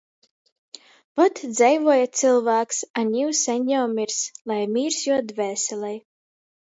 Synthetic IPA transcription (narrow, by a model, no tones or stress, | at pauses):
vɔt̪d̪zɛjvuɔjat̪sɨlˠvæːksanʲiwsɛnʲːɔwmʲiɾslˠajmʲiːɾsjuɔd̪vɛːsɛlʲˠɛj